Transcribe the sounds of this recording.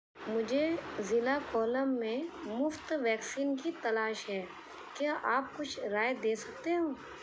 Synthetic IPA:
mʊd͡ʒʱezɪlakɔːləmːẽmʊft̪ʋɛːksiːnkit̪ɐlaːʃɦɛː | kjaːʔaːp̚kʊt͡ʃʰɾaːed̪eːsɐkt̪eɦũː

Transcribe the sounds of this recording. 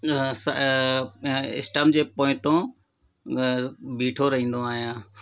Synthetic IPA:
s | ɪ̰sʈəmd͡ʑeːpõːɪ̃t̪õ | biːʈʰoɾɐɦĩːn̆d̪oaːɦijãː

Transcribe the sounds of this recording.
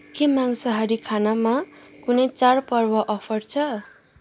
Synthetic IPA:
kemaŋsʌɦaɾikʰanamakunʌjt͡sarpʌrbʌʔʌpʰʌɾt͡sʰʌ

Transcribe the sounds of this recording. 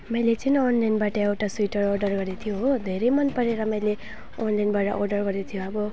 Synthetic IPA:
mʌjlet͡sʌnonlajnbaʈʌewʈasuiʈʌrorɖʌrɡʌɾet̪ʰijoɦod̪ʱeɾʌjmʌnpʌɾeɾʌmʌjle | onlajnbaʈʌ̰ʔorɖʌrɡʌɾet̪ʰijoʌbʌ

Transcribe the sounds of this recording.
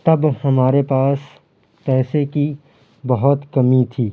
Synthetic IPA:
t̪ɐbhɐmaːɾepaːs | pɛːseki | bɐɦʊt̪kɐmit̪ʰiː

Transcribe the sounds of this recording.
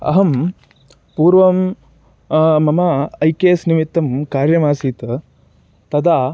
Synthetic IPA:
ɐ̰ɦɐm | puːɾʋɐm | mɐmɐɐjkeːsnimit̪ːɐmkaːɾjɐmaːsiːt̪ | t̪ɐd̪aː

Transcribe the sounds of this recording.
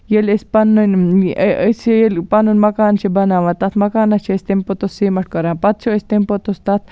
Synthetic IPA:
jelespɐnun | əsejelpɐnunʲmɐkaːnt͡ʃʰibɐnaːʋɐt̪ɐt̪ʰmɐkaːnɐt͡ʃʰeest̪empot̪osiːmɐʈ̚koɾaːnpɐt̪t͡ʃʰoest̪empot̪ost̪ɐt̪̚ʰ

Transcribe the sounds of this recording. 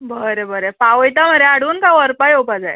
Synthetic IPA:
bəɾebəɾepaʋəjt̪am̤əɾeaɽuːnkaʋəɾpajopad͡zaj

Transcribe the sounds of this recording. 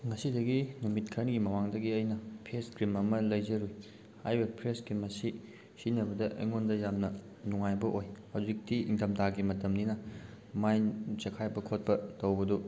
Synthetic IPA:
ŋɐsidɐɡinumit̚kʰɐɾnɡimɐmaŋdɐɡiɐjnɐpʰeskɾimɐmɐlɐjd͡ʒɐɾuj | ajbɐpʰɾeskɾimɐsi | sinɐbɐdɐʔɐ̰jŋondɐjamnɐ | nuŋajbɐʔojhɐwzik̚tiiŋdɐmtaɡimɐtɐmninɐ | majnd͡ʒɐkʰajbɐkʰot̚pɐtɐwbɐdu

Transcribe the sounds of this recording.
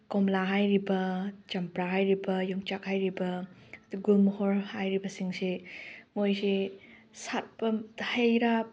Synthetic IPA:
kɔmlaɦajɾibɐt͡ʃɐmpɾaɦajɾibɐjɔŋt͡ʃak̚hajɾibɐɡumhɔɾhajɾibɐsiŋsemojsi | sat̚pɐhajɾap̚

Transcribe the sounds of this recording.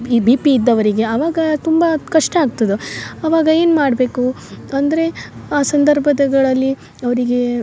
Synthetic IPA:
ibiːpiːd̪ːɐʋɐɾiɡe̞ɐʋaːɡɐt̪umbɐkɐʂʈɐaːɡ̚t̪ɐd̪uɐʋaːɡɐe̞ːnmaːɽbe̞ːku | ɐnd̪ɐɾe̞aːsɐnd̪ɐɾbʱɐd̪ɐɡɐɭɐlːi | ɐʋɐɾiɡe̞

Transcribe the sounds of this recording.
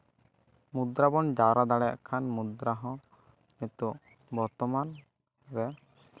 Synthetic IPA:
mud̪ɾabɔnd͡ʒaɾad̪aɽɛja̰ʔkʰanmud̪ɾaɦɔ̃ | net̪uʔ | bɔɾt̪ɔman | ɾɛ

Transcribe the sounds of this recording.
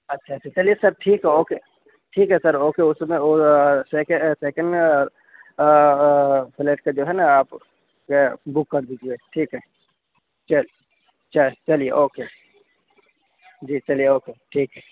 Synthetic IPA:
ɐtːʃʰaɐtːt͡ʃʰat͡ʃɐliesɐɾʈʰiːkɦɛoːkeː | ʈʰiːkɦɛsɐɾoːkeʊsmẽosekeseːkə̃ɳɖ | pɪleːʈ̚kad͡ʒoːɦɛnaaːp | kebʊkːɐɾd̪id͡ʒieːʈʰiːkɦɛ | t͡ʃɐl | t͡ʃɐt͡ʃɐlieʔoːkeː | d͡ʒiːt͡ʃɐlijeoːkeːʈʰiːkɦɛ

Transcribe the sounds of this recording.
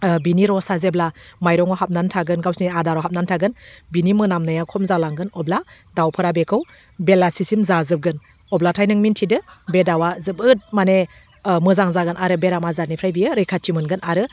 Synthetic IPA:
biniɾɔsazeblamajɾɔŋɔɦap̚nantʰaɡɯnɡawsniadaɾɔɦap̚nantʰaɡɯnbinimɯnamnɯjakʰɔmzalaŋɡɯnɔbla | dawpʰɯɾabekʰɯw | belasisimzazɯp̚ɡɯn | ɔblatʰajnɯŋmintʰidɯbedawazɯpɯt̚mane | mɯzaŋzaɡɯnʔaɾɯbeɾamazaɾnipʰɾajbijɯɾɯjkʰatʰimɯnɡɯnaɾɯ

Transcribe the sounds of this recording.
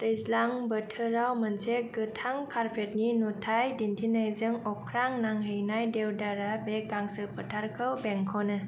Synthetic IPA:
tɯjslaŋbətʰɯɾawmənseɡɯtʰaŋkʰaɾpʰet̚ninutʰajdintʰinajzɯŋɔkʰɾaŋnaŋɦejnajdewdaɾabekaŋsɯpʰətʰaɾkʰɯwbɛŋkʰɔnɯ

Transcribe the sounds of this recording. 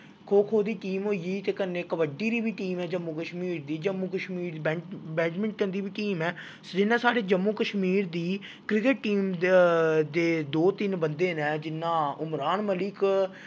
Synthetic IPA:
kʰoːkʰoːd̪iːʈiːmɦoːiiːt̪eːkənːeːkəʋəɖiːɾiːbiːʈiːmɛːd͡ʒəmːuːkəʃmiːɾd̪iːd͡ʒəmːuːkəʃmiːɾd̪iːbɛbɛːt͡ʃmə̃ɳʈkə̃nd̪iːbiːʈiːmɛː | sd͡ʒɪnːãːsaːɽeːd͡ʒəmːũːkəʃmiːɾd̪iː | kɾɪkəʈ̚ʈiːm | d̪eːd̪oːt̪ɪnbənd̪eːnɛːd͡ʒɪnːãːʊmɾaːnməlɪk

